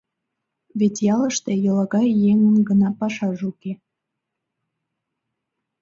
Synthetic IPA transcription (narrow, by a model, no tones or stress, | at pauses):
βet̪ʲjɑləʃt̪ejəlɑɣɑjːeŋənɡənɑpɑʃɑʒuke